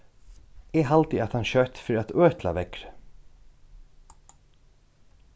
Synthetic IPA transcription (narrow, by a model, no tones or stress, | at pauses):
ɛɦalt̪ɪat̪hanʃœt̪fɾat̪œːt̪la̰ʋɛkɾ